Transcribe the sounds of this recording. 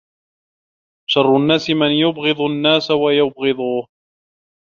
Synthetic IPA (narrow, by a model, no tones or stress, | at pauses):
ʃɑrˤːʊnːaːsɪmɪnjʊbɣɨðˤʊnːaːsawajʊbɣɪðˤuːh